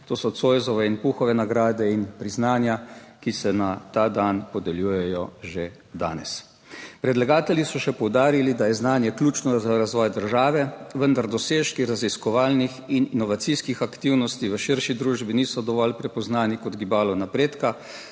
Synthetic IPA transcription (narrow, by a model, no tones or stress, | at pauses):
t̪oːsɔt̪soːjzɔʋɛinpuxɔʋɛnaɡɾaːd̪ɛinpɾiznaːnjakisɛnat̪ad̪anpɔd̪ɛljuːjɛjɔʒe | d̪a̰ːnɛ̰s | pɾɛd̪laɡaːt̪ɛljisɔʃɛpɔwd̪aːɾilid̪ajɛznaːnjɛklʲjuːt͡ʃnɔzaɾazʋɔːjd̪əɾʒaːʋɛʋənd̪aɾd̪ɔseːʃkiɾaziskɔʋaːlnixininɔʋat̪siskixakt̪iwnɔst̪iʋəʃiɾʃid̪ɾuːʒbiniːsɔd̪ɔʋɔlpɾɛpɔznaːnikɔd̪ɡibaːlɔnapɾeːt̪ka